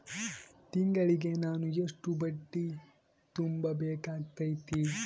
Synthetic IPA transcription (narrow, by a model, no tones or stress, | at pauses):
t̪iŋɡɐɭiɡenaːnueʂʈubɐɖːi | t̪umbɐbɛːkaːkt̪ɐjt̪iː